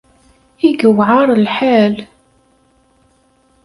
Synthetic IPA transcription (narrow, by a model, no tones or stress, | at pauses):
iɡəwʕɑɾˤəlħal